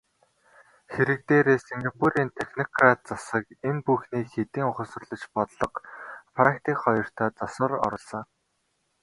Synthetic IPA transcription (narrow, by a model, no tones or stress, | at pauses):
xeɾɘ̆k̚t̪eːɾeːseŋɡapʰuɾiːnt̪ʰexnɔkrat̪̚t͡sasə̆kenpuxniːxet̪iːŋʊχə̆sə̆rɮɞ̆t͡ɕpɔt̪ɮɞ̆qfɾakt̪iːkχɔjɞ̆r̥t̪ʰæːt͡sɔsə̆rɔ̰ɾɞ̆ɮsɞ̆ŋ